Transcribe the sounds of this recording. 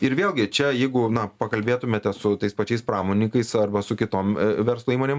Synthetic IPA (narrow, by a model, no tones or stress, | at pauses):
ɪɾʋʲeːlˠɡʲɪt͡ʃʲɛjɛɪɡʊnɐpɐkɐlʲbʲeːt̪ʊmʲeːt̪ʲɛsʊt̪ɐɪspɐt͡ʃʲɛɪspɾɑːmoːnʲikɐɪsɐrbɐsʊkʲɪt̪oːmʋʲɛɾslˠoːiːmoːnʲeːm